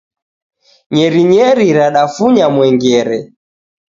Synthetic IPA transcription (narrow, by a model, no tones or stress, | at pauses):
ɲɛɾiɲɛɾiɾaɗafuɲamwɛŋɡɛɾɛ